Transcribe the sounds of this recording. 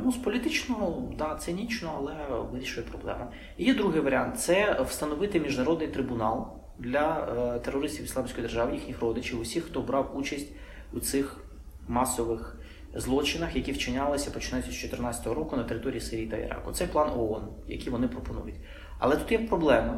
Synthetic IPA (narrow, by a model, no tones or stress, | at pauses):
nuspɔlʲit̪ɪt͡ʃnɔɦɔd̪ɑt̪sɪnʲit͡ʃnɔɐlˠɛʋɪɾʲiʃʊjɛpɾɔblˠɛ̰mɐ | ijɛd̪ɾuɦɪjʋɐɾʲant̪sɛwst̪ɐnɔʋɪt̪ɪmʲiʒnɐɾɔd̪nɪjt̪ɾɪbʊnɑlˠ | d̪lʲɐt̪erːɔɾɪsʲtʲiwisˠɑmsʲkɔjd̪rʒɑʋɪjixnʲixrɔd̪ɪt͡ʃɪwʊsʲixt̪ɔbɾɑwut͡ʃɐsʲtʲ | ut̪sɪx | mɑsɔʋɪx | zlˠɔt͡ʃɪnɐxjɐkʲiwt͡ʃɪnʲalˠɪsʲɐpɔt͡ʃɪnajʊɐst͡ʃɔt̪ɪrnɑt͡sʲɐ̥t̪ɔɦɔɾɔkʊnɐt̪eɾɪt̪ɔɾʲijisɪɾʲijit̪ɐḭɾɑ̰kʊ̰t̪sɛplˠɑnɔɔn | jɐ̰kʲiʋɔnɪpɾɔpɔnṵjʊtʲ | ɐ̰lˠɛt̪ut̪jɛpɾɔblˠɛmɐ